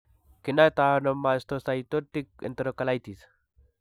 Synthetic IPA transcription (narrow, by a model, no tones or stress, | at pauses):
kinat̪anomːast̪osajt̪ot̪ik̚ɛ̰nt̪eɾokalajt̪is